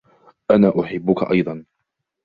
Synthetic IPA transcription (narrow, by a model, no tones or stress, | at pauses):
ʔanaːʔʊħɪbːʊka̰ʔɑ̰jd̪ˤɑn